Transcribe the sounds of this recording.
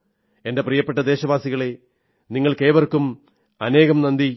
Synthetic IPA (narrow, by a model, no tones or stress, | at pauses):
e̞ndeprijɐpːeʈːɐd̪e̞ːɕɐʋaːsiɣɐɭe̞ | niŋːɐɭkeːʋɐrkːum | ɐne̞ːɣɐmnɐnd̪i